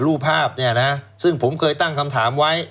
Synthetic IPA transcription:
ɾuː˥˩pʰaː˥˩p̚ni˥˩ɐna˦˥sɯ˥˩ŋpʰo˩˦mkʰɤː˧jt̪a˥˩ŋkʰa˧mt̪ʰaː˩˦mwa˦˥j

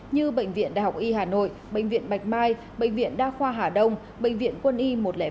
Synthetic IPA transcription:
ɲɨ˧ɓə̰˧˨jŋ̟vḭ˧˨ənɗa̰ː˧˨˩jha˨˩k͡p̚ʔi˧ɦaː˨˩no̰˧˨jɓə̰ḛ˧˨ŋ̟vḭ˧˨ənɓa˨˩jk̟̚maː˧j | ɓəḛ˧˨ŋvḭ˧˨ənɗaː˧xwaː˧ɦaː˨˩ɗə˧wŋ͡m | ɓə̰˧˨jŋ̟vḭ˧˨ənkwə˧nʔi˧mo˨˩t̚lɛ̰˧˦

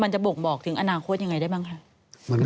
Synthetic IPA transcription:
ma˧nt͡ɕa˨˩bo˨˩k̚bɔː˨˩k̚t̪ʰɯ˩˦ŋʔa˧naː˧kʰo˥˩t̪̚ja˧ŋa˧jda˥˩baː˥˩ŋkʰɾa˧˩ | ma˧˦n

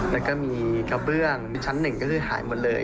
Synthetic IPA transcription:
lɛː˦˥kɔː˥˩miː˧ka˧˩bɯ˥˩əŋ˧t͡ɕʰa˦˥nːɯ˨˩ŋkɔː˥˩kʰɯː˧ha̰ː˩˦jmo˧nlɤː˧j

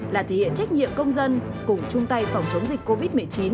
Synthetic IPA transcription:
laː˨˩t̪ʰe˨˧˩hḭ˧˨ənt͡ɕa˦˥k̟̚ɲḭ˧˨əmkə˧wŋ͡mzə˧nkʊ˨˧˩ŋ͡mt͡ɕʊ˧ŋ͡mt̪a˧jfa˨˩wŋ͡mt͡ɕə˨˦wŋ͡mzï˨˩k̟̚ko˧vi˦˥t̚mɨ˨˩əjt͡ɕi˨˦n

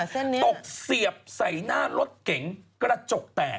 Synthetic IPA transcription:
t̪o˨˩k̚si˨˩əp̚sa˨˩˦jnaː˥˩lo˦˥t̪̚ke˩˦ŋkɾa˧t͡ɕo˨˩p̚t̪ɛː˨˩

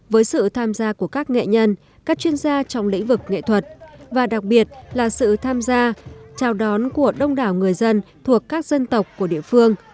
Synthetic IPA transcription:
vəː˨˦jsɨ̰˧˨t̪ʰaː˧mzaː˧ku˧˩əkaː˦˥k̚ŋḛ˧˨ɲə˧n | kaː˦˥k̚t͡ɕwi˧ənzaː˧t͡ɕɔ˧wŋ͡mlḭ̈˧˥ŋ̟vɨ˨˩k̚ŋḛ˧˨t̪ʰwə˨˩t̚vaː˨˩ɗa˨˩k̚ɓi˨˩ət̚laː˨˩sɨ̰˧˨t̪ʰaː˧mzaː˧t͡ɕaː˨˩wɗɔ˨˦nku˧˩əɗə˧wŋ͡mɗaː˧˩wŋɨ˨˩əjzə˧nt̪ʰu˨˩əkːaː˦˥k̚z̥ə˧nt̪ə˨˩wk͡p̚kːu˧˩əɗḭ˧˨əfɨ˧əŋ

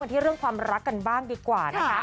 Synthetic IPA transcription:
nt̪ʰiː˥˩ɾɯ˥˩əŋkʰwaː˧mɾa˦˥kːa˧nbaː˥˩ŋdiː˧kwaː˨˩na˦˥kʰa˦˥

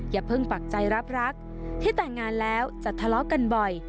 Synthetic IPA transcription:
jaː˨˩pʰɤ˥˩ŋpa˨˩k̚t͡ɕa˧jɾa˦˥p̚ɾa˦˥k̚ | t̪ʰiː˥˩t̪ɛː˨˩ŋːaː˧nlɛː˦˥wt͡ɕa˨˩t̪ʰːa˧lɔ˦˥ka˧nbɔ˨˩j

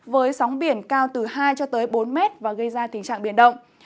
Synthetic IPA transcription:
vəː˨˦jsɔ˨˦wŋ͡mɓi˧˩ənkaː˧wt̪ɨ˨˩haː˧jt͡ɕɔ˧t̪əː˨˦jɓo˨˦nmɛ˦˥t̚vaː˨˩ɣə˧jzaː˧t̪ï˨˦ŋ̟t͡ɕa̰ː˧˨ŋɓi˧˩ənɗə̰˧˨wŋ͡m

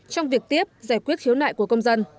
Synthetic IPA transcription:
t͡ɕɔ˧wŋ͡mvi˨˩ək̚t̪i˦˥əp̚zaː˧˩jkwət̚xi˨˦wna̰ː˧˨jku˧˩əkə˧wŋ͡mzə˧n

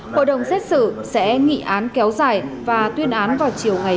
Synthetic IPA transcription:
ho̰˧˨jɗə˨˩wŋ͡msɛ˦˥t̚sɨ̰˧˨sɛ̰˧˥ŋḭ˧˨ʔaː˨˦nkɛ˨˦wzaː˨˩jvaː˨˩t̪wi˧ənʔaː˨˦nvaː˨˩wt͡ɕi˨˩əwŋa˨˩

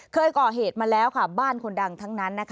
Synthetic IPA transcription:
kʰɤː˧jkɔː˨˩ɦeː˨˩t̪̚maː˧lɛː˦˥wkʰa˥˩baː˥˩nkʰo˧nda˧ŋt̪ʰa˦˥ŋna˦˥nːa˦˥kʰ

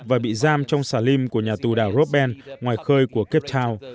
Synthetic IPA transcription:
vaː˨˩ɓḭ˧˨zaː˧mt͡ɕɔ˧wŋ͡msaː˧˩li˧mku˧˩əɲaː˨˩t̪u˨˩ɗaː˧˩wɾo˦˥p̚ɓɛ˧nŋwaː˨˩jxəː˧jku˧˩əke˦˥p̚t̪ʰaː˧w

